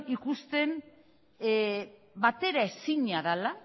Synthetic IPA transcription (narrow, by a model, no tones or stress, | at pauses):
ikust̪e̞n | bat̪e̞ɾaesiɲaðala